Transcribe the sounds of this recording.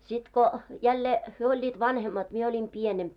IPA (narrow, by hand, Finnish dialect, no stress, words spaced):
sit ko jælːe hyø olʲːiːt ʋɑnhemːɑt mie olʲim pienemp